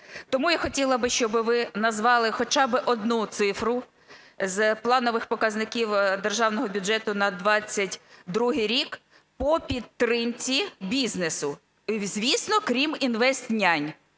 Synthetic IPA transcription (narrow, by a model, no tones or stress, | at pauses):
t̪ɔmujaxɔtʲilˠɐbɪʃt͡ʃɔbɪʋɪnɐzʋɑlˠɪxɔt͡ʃɑbɪʔɔd̪nut̪sɪfɾʊ | zplˠɑnɔʋɪxpɔkɐznɪkʲiwd̪erʒɑwnɔɦɔbʲʊd͡ʒɛt̪ʊnɐd̪ʋɑt͡sʲːɐtʲd̪ɾuɦɪjɾʲik | pɔpʲid̪̚t̪ɾɪmt͡sʲibʲiznesʊ | zʲʋʲisnɔkɾʲiminʋɛst̪nʲanʲ